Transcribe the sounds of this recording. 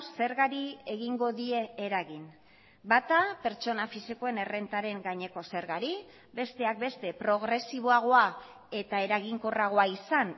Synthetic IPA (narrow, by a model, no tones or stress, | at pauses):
se̞ɾɣaɾieɣ̞iŋɡo̞ðie̞ːɾaɣin | bat̪ape̞ɾt͡ʃo̞nafisiko̞e̞ne̞re̞nt̪aɾe̞ŋɡaɲe̞ko̞se̞ɾɣaɾi | be̞st̪e̞ak̚be̞st̪e̞pɾo̞ɣ̞ɾe̞siβ̞o̞aɣ̞oa | e̞t̪ae̞ɾaɣiŋko̞raɣ̞oaisan